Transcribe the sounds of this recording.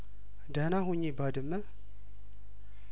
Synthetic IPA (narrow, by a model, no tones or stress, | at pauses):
d̪anaɦuɲːibad̪ɨmːə